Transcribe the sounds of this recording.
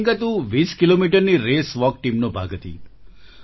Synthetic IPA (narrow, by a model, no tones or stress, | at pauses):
ŋkat̪ũʋiskilomiʈəɾniɾesʋɔk̚ʈimnobʱa̰ɡət̪ʰḭ